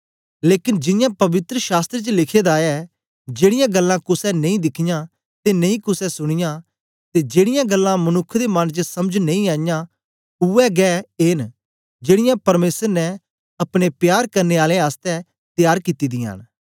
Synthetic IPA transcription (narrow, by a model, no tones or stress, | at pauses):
leːkɪnd͡ʒɪjãpɐʋɪt̪ɾəʃaːst̪ɾet͡ʃəlɪkʰed̪aːɛ | d͡ʒeːɽɪjãɡɐlːãkʊsɛnɐĩd̪ɪkʰɪjã | t̪enɐ̃ĩkʊsɛsʊɽ̃ɪjã | t̪ed͡ʒeːɽɪjãɡɐlːãmɐnʊkʰːd̪emɐnd͡ʒəsɐməd͡ʒnɐ̃ĩaːjã | ʊɛɡɛːeːn | d͡ʒeːɽɪjãpɐɾmeːsəɾnɛ | ɐpɽ̃epjaːɾkɐɾneaːlẽaːst̪ɛ | t̪jaːɾkit̪id̪ɪjã̰ːn